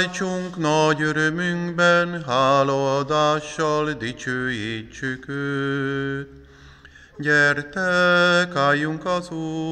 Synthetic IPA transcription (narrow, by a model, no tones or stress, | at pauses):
jt͡ʃuŋknɒɟøɾømyŋɡbɛnɦaːlod̪aːʃːɒld̪it͡ʃøːjit͡ʃːykøː | ɟɛrt̪ɛkaːjːuŋkɒzuː